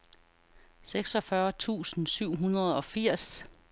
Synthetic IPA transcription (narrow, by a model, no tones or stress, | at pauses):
seɡ̥sɒ̽fɶɐt͡sʰṵːsn̩syʊ̰ɦunɐð̩ˠɒ̽fiɐ̰s